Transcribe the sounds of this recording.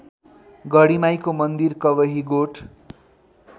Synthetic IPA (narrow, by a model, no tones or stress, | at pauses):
ɡʌɽimajkomʌnd̪irkʌbʌɦiɡoʈʰ